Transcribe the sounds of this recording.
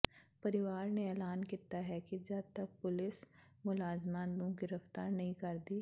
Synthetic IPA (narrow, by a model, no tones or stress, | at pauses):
pɐɾɪʋaːɾneɛːlaːnkit̪aɦɛkid͡ʒɐt̪ɐk̚pʊlɪs | mʊlaːzmaːnlõɡɪɾəft̪aːɾnɐɦĩkɐɾd̪iː